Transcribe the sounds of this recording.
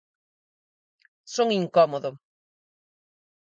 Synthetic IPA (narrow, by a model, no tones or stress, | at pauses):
soŋiŋkɔmoðo